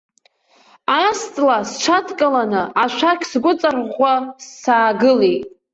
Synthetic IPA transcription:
ast͡sʼlast͡ʃʷʰatʰkʼalanɨʔaʃʷʰakʲʰsɡʷʊt͡sʼarʁʷasːaːɡɨletʼ

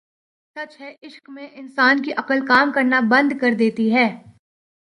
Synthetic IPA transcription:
sɐt͡ʃɦɛʔɪʃkmẽʔɪnsaːnkiʔɐqəlkaːmkɐɾnabɐ̃nd̪ʱkɐɾd̪eːt̪iɦɛː

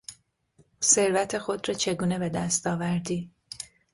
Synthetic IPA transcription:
se̞ɾvæt̪ʰe̞xo̞d̪ɾɒːt͡ʃʰe̞ɡuːne̞be̞d̪æst̪ɒːvæɾd̪iː

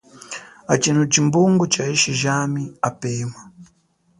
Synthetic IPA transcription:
at͡ʃinut͡ʃimbuŋɡɔt͡ʃaiʃiʒamiapeːma

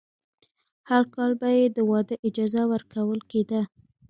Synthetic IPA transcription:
haɾkɑlbajed̪əwɑd̪əʔɪd͡ʒɑzawəɾkawəlked̪a

